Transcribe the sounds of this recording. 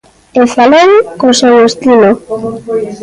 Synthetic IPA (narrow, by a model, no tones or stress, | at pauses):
efaleŋkosewest̪ino